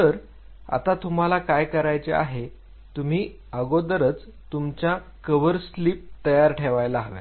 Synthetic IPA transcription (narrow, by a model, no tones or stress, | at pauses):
t̪əɾ | a̰t̪at̪um̤alakajkəɾajt͡sḛa̰ɦe | t̪um̤iː | əɡod̪əɾət͡s | t̪umt͡ɕja | kəʋəɾsliːp̚t̪əjaɾʈʰeʋajlaɦaʋḛ